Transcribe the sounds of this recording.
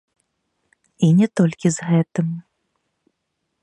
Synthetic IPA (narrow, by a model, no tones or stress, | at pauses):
inʲɛt̪ɔlʲkʲizɣɛt̪ɨm